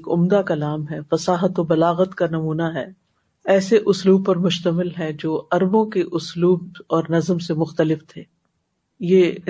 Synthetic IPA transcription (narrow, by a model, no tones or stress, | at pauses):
kʊ̰md̪akɐlaːmɦɛfɐsaːɦət̪obɐlaːɣət̪kanɐmuːnaɦɛː | ɛːseʔʊsluːb̚pɐɾmʊʃt̪əmɪlɦɛ̃d͡ʒoːʔɐɾbõkeʔʊsluːb̚ɔːɾnɐzmsemʊxt̪əlɪft̪ʰeː | jeː